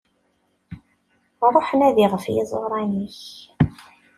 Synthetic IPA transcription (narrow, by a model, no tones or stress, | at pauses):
ɾˤoħənæðiʁəfjɪ̰zˤo̰ɾˤɑniç